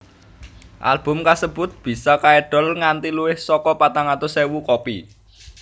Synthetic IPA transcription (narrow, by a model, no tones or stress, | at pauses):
ʔa̰lb̥ʊ̤mkasəb̥ʊ̤t̪̚b̥i̤sakaɛɖ̥ɔ̤lŋant̪iluwɪhsɔkɔpat̪aŋat̪osewukɔpi